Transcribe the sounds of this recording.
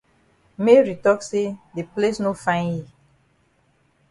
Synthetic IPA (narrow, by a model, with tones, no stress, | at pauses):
me˦ɹi˨tɔ˦kse˦de˨ple˦sno˦fã˦j̃nji˨